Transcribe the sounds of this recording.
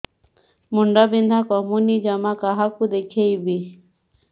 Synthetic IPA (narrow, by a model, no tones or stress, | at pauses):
muɳɖabĩnd̪ʱakɔmunid͡ʒamakaɦakud̪ekʰejbi